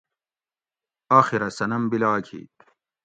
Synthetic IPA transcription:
aːxiɾɐsɐnɐmbilaːkʰḭː

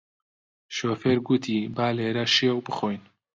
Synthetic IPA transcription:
ʃoːfeːɾɡut̪ʰiːbaːleːɾɐʃijɛwbɨxoːjn

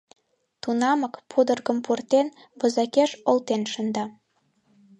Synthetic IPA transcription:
t̪unɑməkpʰud̪ərɣə̆mpurt̪en | βə̆zɑkeʃolt̪enʃənd̪ɑ

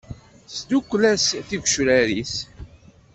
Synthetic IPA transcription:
sd̪ukʷːlæsθiɡʷʃɾæɾis

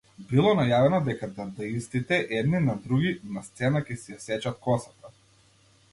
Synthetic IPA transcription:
bilˠɔnajavɛnɔd̪ɛkad̪aɾd̪aist̪it̪ɛʔɛd̪ninad̪ɾuɡʲinast̪sɛnakʲɛsijasɛt͡ʃat̪̚kɔsat̪a

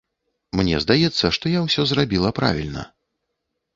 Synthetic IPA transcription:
mnʲɛ̰zd̪ajɛt̪sːɐʂt̪ɔjawsʲɔzrabʲilˠɐpɾa̰vʲilʲnɐ̰

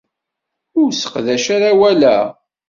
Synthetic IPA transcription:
ʊɾsə̥qðæʃaɾawælæ

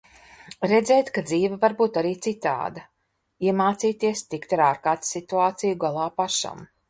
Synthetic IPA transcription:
ɾɛd̪zɛːjt̪kad̪ziːvavaɾbuːt̪aɾiːt̪sit̪a̰ːd̪a | iɛmaːt̪siːt̪iɛst̪ikt̪aɾaːɾkaːt̪sit̪uaːt̪sijuɡalˠaːpaʃa̰m

